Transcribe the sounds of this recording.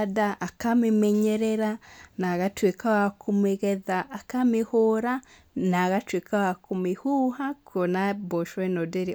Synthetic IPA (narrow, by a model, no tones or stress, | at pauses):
daʔakamimeɲeɾeɾanaɣatwekawakʰumeɣeðaʔːkamihoɾa | naɣatwekʰawakumihuhakonaboʃwenodeɾi